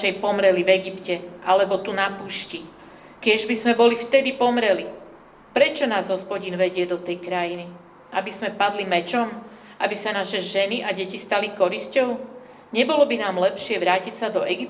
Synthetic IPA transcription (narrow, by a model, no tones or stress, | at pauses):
ɛjpɔmɾɛlivɛɡipcɛʔalɛbɔt̪unapuːʃci | kɪɛʒbizmɛbɔlift̪ɛd̪ipɔmɾɛli | pɾɛt͡ʃɔnaːzɦɔspɔɟiːnʋɛɟɪɛd̪ɔt̪ɛjkɾajini | ʔabismɛpad̪limɛt͡ʃɔm | ʔabisanaːʃɛʒɛniʔaɟɛcist̪alikɔɾiscɔʊ | ɲɛbɔlɔbinaːmlɛpʃɪɛʋɾaːcicsad̪ɔʔɛɡip